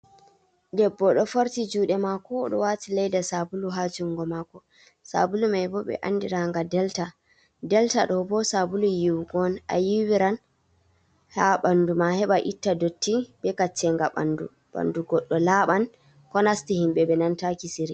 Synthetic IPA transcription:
dɛbːɔɗɔfoɾtid͡ʒuːɗɛmakɔɗɔwatilɛjdasabuluɦad͡ʒuŋɡɔmakɔ | sa̰bulumajbɔɓɛ̰ʔa̰nːdiɾaŋɡadɛlta | dɛltaɗɔbɔsabulujiwɡɔnʔa̰jiwiɾan | haɓandumahɛɓaʔitːadotːibɛkat͡ʃːɛŋɡaɓa̰ndṵ | ɓa̰nduɡɔɗːɔlaɓan | kɔnastihimɓɛbɛnantakisiɾi

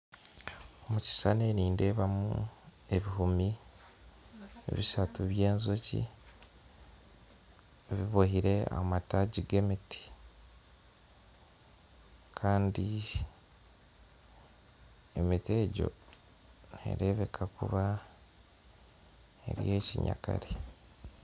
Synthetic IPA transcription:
omuci̥sane̞niːnde̞ːβamṵe̞βiɦumi | ḛβisatuβje̞ːnzocḭ | eβiβohiɾe̞a̰mataɟiɡe̞miti̥ | kʰaːndi | emite̞ːɟo̰ | nḛɾe̞ːβe̞kʰakʰṵβa | e̞̰ɾje̞ːciɲa̰ka̰ɾe

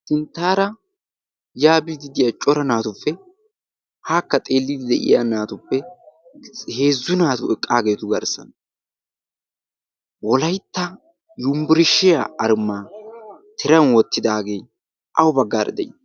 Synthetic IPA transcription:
sɪnt̪ːaːɾɐ | jaːbɪd̪ɪd̪ɪjat͡ʃʼɔɾɐnaːt̪ʊpːɛ | haːkːɐt̪ʼe̞ːlːɪd̪ɪd̪ɛʔɪ̰jaːnaːt̪ʊpːɛ | he̞ːzːʊnaːt̪ʊɛkʼːaːɡe̞ːt̪ʊɡɐɾsɐ̰n | wɔlɐjt̪ːɐ | jʊmbɪɾɪʃːɪjaʔɐɾmːaːt̪ʰɛɾɐnwɔt̪ːɪd̪aːɡe̞ː | ʔɐwʊbɐɡːaːɾɐ̰d̪ɛ̰jɪ

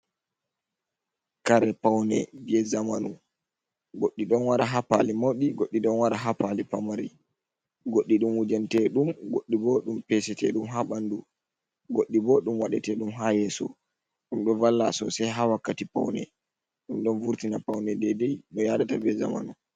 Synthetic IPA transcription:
kaɾɛpawnɛ̰bɛzamanu | ɡoɗːiɗɔnwaɾaɦapa̰limowɗiɡoɗːiɗɔnwaɾaɦapalipamaɾi | ɡoɗːiɗumwud͡ʒantɛɗumɡoɗːiboɗumpɛsɛtɛ̰ɗumɦaɓandu | ɡoɗːiboɗumwaɗɛtɛɗumɦajɛsɔ̰ | ɗumɗɔvalːasɔ̰sajɦawakːatipa̰wnɛ̰ | ɗumɗɔnvuɾtinapawnɛdɛdɛjɗɔjaɗatabɛza̰ma̰nu

